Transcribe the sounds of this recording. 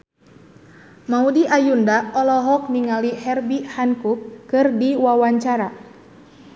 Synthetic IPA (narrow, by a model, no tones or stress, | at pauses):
maudiʔajundaɔlɔɦɔk̚niŋalihɛrbihankukːɨrdiwawaɲt͡ʃaɾa